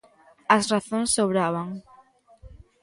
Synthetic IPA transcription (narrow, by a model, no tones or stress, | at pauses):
ɐsraθõŋsːoβɾaβaŋ